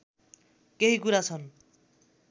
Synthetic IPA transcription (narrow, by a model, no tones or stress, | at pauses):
keɦikuɾat͡sʰʌn